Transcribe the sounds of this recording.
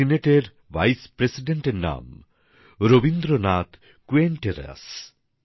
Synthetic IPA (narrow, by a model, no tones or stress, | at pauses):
ineʈeɾ | ʋajspɾesiɖeɳʈeɾna̰m | ɾobind̪ɾonat̪ | kuenʈeɾa̰s